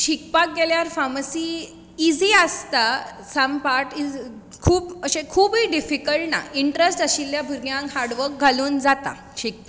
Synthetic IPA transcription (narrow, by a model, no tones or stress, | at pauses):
ɕik̚pak̚ɡeljaɾfaməsiː | id͡ziːəst̪a | sampaʈi | kʰuːpəɕẽkʰuːbiɖifikəɭʈna̰ʔiɳʈɾesʈəɕiljabʱuɾɡjãŋkɦaɾɽʋəɾk̚ɡʱaluːnd͡zat̪a̰ | ɕik̚pa